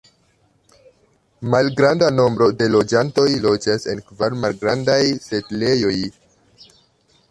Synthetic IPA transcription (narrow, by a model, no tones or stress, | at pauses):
malɡɾandano̞mbɾo̞de̞lo̞d͡ʒanto̞jlo̞d͡ʒase̞nkvaɾmalɡɾa̰ndajse̞tle̞jo̞j